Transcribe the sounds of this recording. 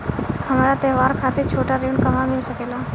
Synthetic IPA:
həmaɾat̪eɦʋaɾkʰat̪iɾt͡ɕʰoʈaɾiuɳkəmamilsəkela

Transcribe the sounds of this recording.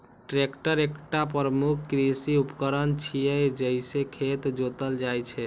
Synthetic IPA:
ʈɾekʈəɾekʈapɾəmukʰːɾisiupkəɾənt͡ʃʰijɛd͡ʒəisekʰet̪d͡ʒot̪əld͡ʒajt͡ʃʰɛ

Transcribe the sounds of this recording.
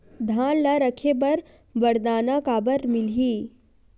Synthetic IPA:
d̪ʱaːnlaɾəkʰepɐɾ | bəɾd̪aːnakaːbəɾmɪlɦiː

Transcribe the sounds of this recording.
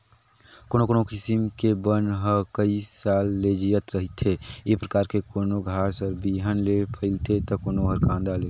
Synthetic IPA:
koːnokoːnokɪsɪmkebənɦəkəisaːlːed͡ʒijət̪ɾəɦit̪ʰeepɾəkaːɾkekoːnoɡʱaːɾsəɾbiɦənlepʰəɪlt̪et̪ɔkoːnoɦəɾkãːnd̪ale

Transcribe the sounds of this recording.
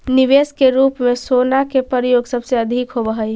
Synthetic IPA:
niʋeskeɾupmesonakepəɾjoɡsəbseəd̪ʱikɦobəɦəj

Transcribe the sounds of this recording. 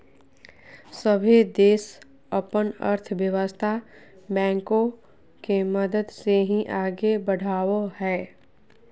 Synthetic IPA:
səbʱid̪eːs | əpənə̰ɾt̪ʰʋjəʋəst̪ʰa | bɛ̃ːŋkõ | keməd̪əd̪seɦĩʔaːɡebəɽ̤ʱaːohɛː

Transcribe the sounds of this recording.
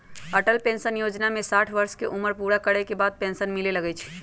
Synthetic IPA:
əʈəlpẽnsənjod͡ʒnamesaʈʰʋəɾskeʔuməɾpuɽakəɾɛkebad̪̚pẽnsənmileləɡɛt͡ʃʰ

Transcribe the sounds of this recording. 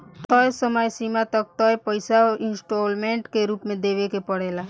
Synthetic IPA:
t̪ɔjsəmajsimat̪ək̚t̪ɔjpəɪsaɪ̃nsʈoːlmẽːɳʈkeɾuːpmẽd̪eːʋekepəɽeːla

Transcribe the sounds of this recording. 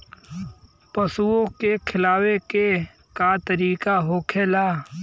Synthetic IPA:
pəsuõkekʰɪlaːweke | kat̪əɾiːkaɦoːkʰeːlaː

